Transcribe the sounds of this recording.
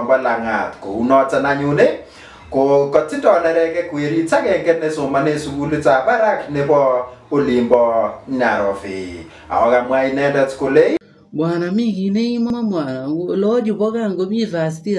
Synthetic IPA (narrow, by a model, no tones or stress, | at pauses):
mbɔlaŋa̰tko̰unɔt͡sanaɲune | kokɔt͡sɪndɔnɛɾɛkɛkueɾit͡ʃakɛŋɡɛtnesʊmanesuɡulet͡sabaɾaknebɔolimbɔɲaɾɔ̰fɪ̰ | a̰ɔkamwainɛndɛtkole | bwanamɪkineimɔmamwalɔd͡ʒʊbɔkaŋɡomiðas̬ti